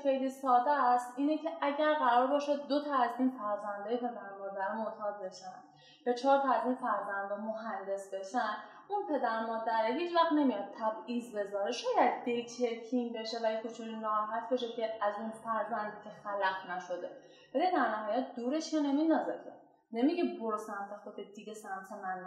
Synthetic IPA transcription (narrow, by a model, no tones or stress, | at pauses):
xejliːsɒːd̪æst̪ʔiːnecʰe̞ʔæɟæɾɣæɾɒːɾbeʃod̪ːot̪ʰɒæzinfæɾzænd̪ɒːjepe̞d̪æɾmɒːd̪æɾmot̪ʰɒːd̪̚be̞ʃænd̪ | bet͡ʃʰɒːɾt̪ʰɒæzinfæɾzænd̪ɒmoɦænd̪e̞sbeʃæn | unpʰe̞d̪æɾmɒːd̪æɾeɦiːt͡ʃvæxt̪ne̞mijɒd̪̚t̪ʰæbiːzbe̞zɒːɾeʃɒːjæd̪̚ːelcʰeɾcʰinbeʃevæjekʰot͡ʃʰuniɾæɾɒɦæt̪ʰbeʃecʰeæzunfæɾzænd̪cʰexælæɡnæʃo̞d̪e | vælid̪æɾnæɦɒːjæt̪̚ʰd̪uːɾeʃjɑneminɒːzekʰe | nemiɟeboɾosæmt̪ʰexod̪ed̪̥iɟʲesæmt̪ʰemæn